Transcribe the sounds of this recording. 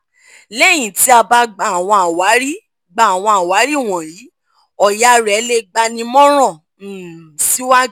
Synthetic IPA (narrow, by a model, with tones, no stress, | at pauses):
lɛ˦˨j̃ĩ˨ti˨˦a˧ba˧ɡ͡ba˨a˨w̃ɔ̃˧a˨wa˨˦ɾi˦ | ɡ͡ba˨a˨w̃ɔ̃˧a˨wa˨˦ɾi˦˨w̃ɔ̃˨ɾi˨˦ | ɔ˨ja˧˦ɾɛ˨˦le˦ɡ͡ba˧nĩ˧mɔ̃˦ɾ̃ɔ̃˦˨ | si˨˦wa˦